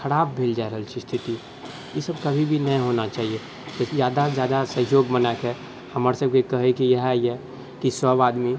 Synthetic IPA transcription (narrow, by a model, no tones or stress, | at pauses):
xʰəɾaːbːʱeːld͡ʒaːeɾəɦəlt͡ʃʰist̪ʰɪt̪i | jesəbkɐbʱibʱinəĩɦoːnat͡ʃaːɦie | t̪ozjaːd̪ad͡ʒjaːd̪asəɦjoːɡmənakɦɛ | həməɾsəb̚kekəɦekijɛɦaiɛ | kisəbaːd̪mi